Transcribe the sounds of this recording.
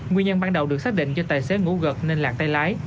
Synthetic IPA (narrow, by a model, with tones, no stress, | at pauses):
ŋwi˧əɲə˧nɓaː˧nɗə˨˩wɗɨ˨˩ək̚saː˦˥k̚ɗḭ˧˨ŋ̟t͡ɕɔ˧t̪əː˨˩jse˨˦ŋṵ˧˥ɣə˨˩k̚ne˧nlaː˨˩ŋ̚t̪a˧jlaː˨˦j